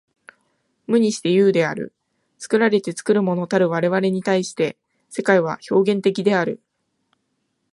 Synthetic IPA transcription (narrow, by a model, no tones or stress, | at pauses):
mɯ̟ɲ̟iɕi̥t̪e̞jɯ̟ːd̪e̞a̰ɾɯ̟̰ | t͡sɨ̥kɯ̟ɾaɾe̞t̪e̞t͡sɨ̥kɯ̟ɾɯ̟mo̞no̞t̪aɾɯ̟β̞aɾe̞β̞aɾe̞ɲ̟it̪aiɕi̥t̪e̞ | se̞kaiβ̞a̰ço̞ːɡẽ̞nt̪e̞k̬ʲid̪e̞aɾɯ̟